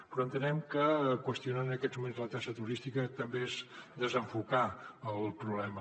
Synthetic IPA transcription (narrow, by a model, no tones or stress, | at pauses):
pɾɔənt̪ənɛmkəkwəst̪ijunanənəkɛd͡zmumenzlət̪aʃət̪uɾist̪ikət̪əmbeezd̪əzəɱfukaəllˠpɾuβlɛmə